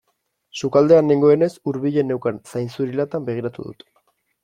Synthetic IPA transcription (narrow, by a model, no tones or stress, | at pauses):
sukald̪e̞aneŋɡo̞e̞ne̞suɾβiʎe̞newkansajnsuɾilat̪ambe̞ɣ̞iɾat̪ṵðṵt̪